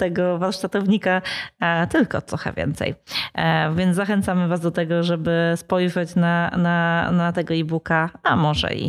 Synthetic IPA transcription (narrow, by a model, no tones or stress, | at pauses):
t̪ɛɡɔvaɾʂt̪at̪ɔvɲika | t̪ɘlkɔ̰t̪ɾɔxɛ̰vʲjɛ̰nt̪sɛ̰j | vʲjɛnzzaxɛnt̪samɘvazd̪ɔt̪ɛɡɔʐɛbɘspɔjʐɛt͡ɕnananat̪ɛɡɔibukaamɔʐɛ̰ḭ